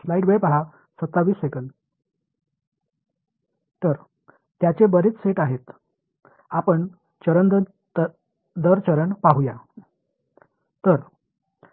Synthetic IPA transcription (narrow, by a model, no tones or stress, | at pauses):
slaiɖʋepaɦa | sət̪ːaʋiːsːekənd̪ | t̪əɾ | t̪jat͡ɕebəɾet͡sseʈaɦet̪ | apəɳ | t͡ɕəɾənd̪ | d̪əɾt͡ɕəɾəɳpaɦuja | t̪əɾ